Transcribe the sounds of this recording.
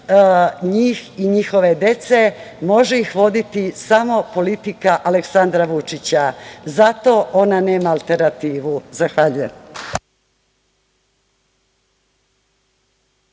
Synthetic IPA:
ɲiːxiɲixo̞ʋe̞d̪e̞t̪se̞mo̞ʒeixʋo̞d̪it̪isamo̞po̞lit̪ikaʔaleksand̪ɾaʋut͡ʂit͡ɕazat̪o̞ʔo̞nane̞ːmaːlˠt̪e̞ɾnat̪iːʋuzaxʋaʎujem

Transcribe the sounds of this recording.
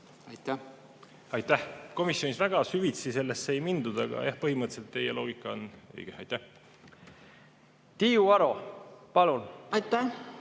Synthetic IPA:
ɑjt̪æ | ɑjt̪ːˑæhko̞misjo̞nisvæɡ̥ɑsyvit̪sise̞lːe̞sːeejmind̪ud̪̥ɑɡ̥ɑ̰jɑhpɤɦimɤt̪ːselt̪ːe̞jelo̞ːɡ̥ikːˑɑonḛjɡ̥ehɑ̰jt̪æh | t̪iːuɑɾo̞pɑlunɑjt̪ːæ

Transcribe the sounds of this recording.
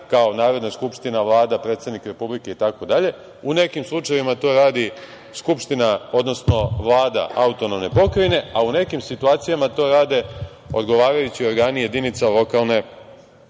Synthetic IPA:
kaonaːɾo̞d̪naskupʃt̪inaʋlˠaːd̪apɾet̪sad̪nikɾe̞publike̞it̪ako̞d̪aʎe̞ | une̞kimslˠut͡ʃajeʋimat̪o̞ːɾaːd̪i | skupʃt̪inao̞d̪no̞sno̞ʋlˠaːd̪a̰ʔaut̪o̞no̞mne̞po̞kɾajne̞aune̞kimsit̪uaːt̪sijamat̪o̞ːɾaːd̪e̞ | o̞d̪ɡo̞ʋaːɾajut͡ɕio̞ɾɡaːnije̞d̪init̪salo̞kalˠne̞

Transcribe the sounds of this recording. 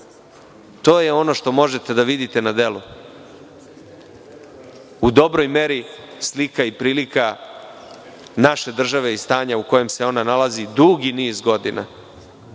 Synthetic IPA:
t̪o̞ːjeo̞no̞ʃt̪o̞mo̞ʒe̞t̪e̞d̪aʋid̪it̪e̞nad̪e̞lu | ud̪o̞bɾo̞jme̞ɾislikaipɾiːlika | naʃe̞d̪r̩ʒaʋe̞ist̪aːɲauko̞je̞mse̞o̞nanalazid̪uɡiniːzɡo̞d̪ina̰

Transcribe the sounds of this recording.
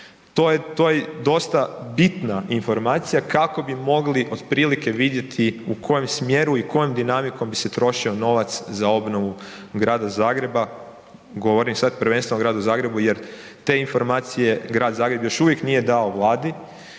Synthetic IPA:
t̪ojet̪o̞jed̪o̞st̪abit̪nainfo̞ɾmaːt̪sijakako̞bimo̞ɡliʔo̞d̪pɾiːlike̞ʋid̪je̞t̪ʰiukʰo̞je̞msmje̞ɾuikʰo̞jomd̪inamiko̞mbise̞t̪ɾo̞ʃio̞no̞ʋat̪szao̞bno̞ʋu | ɡɾaːd̪azaːɡɾe̞ba | ɡo̞ʋo̞ɾimsad̪pɾʋenst̪ʋenoɡɾaːd̪uzaːɡɾe̞buje̞ɾt̪e̞info̞ɾmaːt̪sije̞ɡɾaːd̪zaːɡɾe̞bjo̞ʃuʋje̞knije̞d̪ao̞ʋlˠaːd̪i

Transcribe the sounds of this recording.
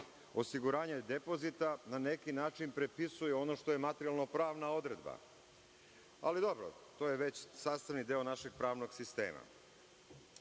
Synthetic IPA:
o̞siɡuɾaːɲed̪e̞po̞zit̪anane̞kinaːt͡ʃinpɾepisujeo̞no̞ʃt̪o̞jemat̪ɾialˠno̞pɾaːʋnao̞d̪ɾe̞d̪ba̰ | a̰lid̪o̞bɾo̰t̪oːjeʋe̞t͡ɕsaːst̪aʋnid̪eonaʃe̞ɡ̥̚pɾaːʋno̞ɡsist̪e̞̰ːma̰

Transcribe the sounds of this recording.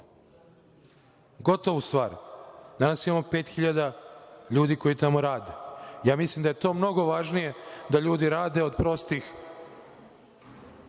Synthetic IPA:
ɡo̞t̪o̞ʋust̪ʋaːɾd̪anaːsimamope̞ːt̪xiʎad̪aʎuːd̪iːko̞jit̪amo̞ɾaːd̪ejaːmislimd̪ajet̪o̞ːmno̞ɡo̞ʋaʒnije̞d̪aʎuːd̪iɾaːd̪e̞o̞d̪pɾo̞st̪ix

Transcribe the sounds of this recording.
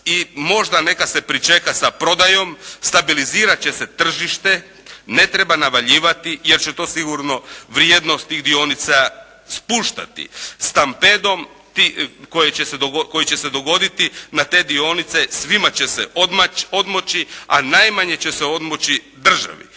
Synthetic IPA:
imo̞ʒd̪ane̞kase̞pɾit͡ʃe̞kasapɾo̞d̪ajo̞mst̪abiliziːɾat͡ɕeset̪r̩ʒiʃt̪e̞ | ne̞t̪ɾebanaʋaʎiːʋat̪ijeɾt͡ɕet̪o̞ːsiɡuɾno̞ʋɾjed̪nost̪iːɣd̪io̞nit̪sa | spuʃt̪a̰t̪ḭst̪amped̪o̞m | t̪ikojet͡ɕe̞seoko̞jit͡ɕe̞sed̪o̞ɡo̞d̪it̪inat̪e̞ːd̪io̞nit̪se̞sʋimat͡ɕe̞sḛʔod̪mao̞d̪mo̞t͡ɕia̰najmaɲe̞t͡ɕe̞seo̞d̪mot͡ɕi | d̪r̩ʒa̰ʋḭ

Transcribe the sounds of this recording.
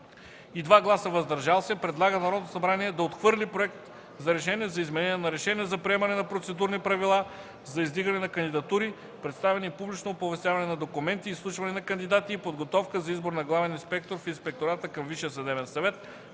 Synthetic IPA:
id̪vaɡlˠasəvɐzd̪ɐɾʒalˠsɛpɾɛd̪lˠaɡənɐɾɔd̪nosɐbɾaniɛd̪ɐot̪xvɤɾlipɾoɛk̚t̪ | zɐɾɛʃɛnʲiɛzɐizmɛnɛnʲiɛnɐɾɛʃɛniɛzɐpɾiɛmɐnɛnɐpɾot̪sɛd̪uɾnipɾɐvilˠa | zɐizd̪iɡɐnɛnɐkɐnd̪id̪ɐt̪uɾi | pɾɛt̪st̪avɛnipublit͡ʃnopovɛst̪javɐnɛnɐd̪okumɛnt̪iːslˠuʃvɐnɛnɐkɐnd̪id̪at̪iːpod̪ɡot̪ɔfkəzɐizboɾnɐɡlˠavɛninspɛk̚t̪oɾfinspɛk̚t̪oɾat̪əkɐmviʃijəsɐd̪ɛbɛnsɐvɛt̪

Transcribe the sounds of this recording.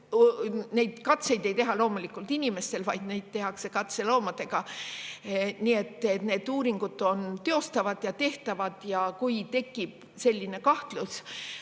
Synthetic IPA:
ne̞jd̪̥kɑt̪se̞jd̪e̞jt̪e̞ɦɑlo̞ːmulikːˑult̪inʲime̞st̪e̞lvɑjd̪̥nejd̪̥̚t̪e̞ɦɑkse̞kɑt̪se̞lo̞ːmɑd̪̥e̞ɡ̥ɑ | nie̞t̪ˑːet̪ne̞ːd̪uːɾiŋɡ̥ut̪ːˑo̞nt̪e̞o̞st̪ɑvɑd̪̥jɑt̪e̞ht̪ɑvɑd̪̥jɑkujt̪e̞kːˑib̥ | se̞lʲːine̞kɑht̪lus

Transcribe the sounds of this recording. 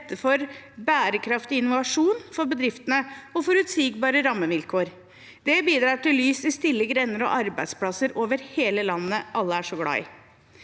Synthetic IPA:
t̪ʰːəfɔɾbæːɾəkʰɾɑft̪ɪɪnʊʋɑʂuːnfɔɾbəd̪ɾɪft̪ənəɔfɔɾʉːt̪siːɡbɑːɾəɾɑmːəʋɪlkʰoːɾ | d̪̥ɛbiːd̪ɾɑːʈɪlːyːsɪst̪ɪlːəɡɾɛnːəɾɔ̰ʔɑɾbæɪd̪spʰlɑsəɾʔoːʋəɾheːləlɑnːəʔɑlːəæʂɔɡɽɑ̰ɪ

